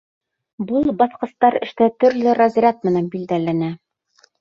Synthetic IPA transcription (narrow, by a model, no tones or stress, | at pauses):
bulˠbɑθqɤ̆st̪ɑɾɘ̆ʃt̪æt̪ɵ̆ɾlɘɾɑzʲrʲɑt̪̚mɘ̆nænbild̪ælænæ